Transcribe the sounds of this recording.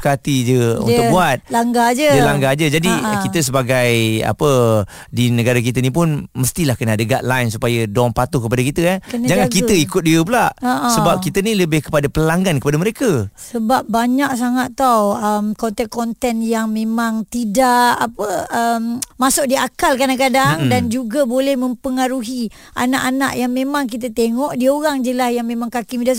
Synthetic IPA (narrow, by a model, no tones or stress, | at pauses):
kat̪id͡ʒəṵt̪ʊkbuat̪̚laŋɡad͡ʒəd͡ʒəlaŋɡad͡ʒəd͡ʒadikit̪əs̬əbaɡaja̰pə | dinəɡaɾak̬it̪ənip̬ʊnməst̪ilahkənaadəɡad̚lajnsupajədoɔŋpat̪ʊhkəpadakit̪əankənd͡ʒaŋankiəikʊt̪̚diəpulaʔsəbap̚kit̪əniləbɪhkə̥padapəlaŋɡankəpadaməɾekəsəbap̚baɲaʔ̚s̬aŋaʔt̪awəmkɔnt̪ɛnkɔnt̪ɛnjaŋmẽmãŋt̪idaʔapəəmmasʊʔ̚diakalkadaŋkadaŋdand͡ʒuɡabolɛhmə̃mpəŋaɾuɦi | ʔa̰naʔana̰ʔjaŋmẽmãŋk̬it̪ət̪eŋɔʔdioɣaŋd͡ʒəlasjaŋmẽmaŋkakimida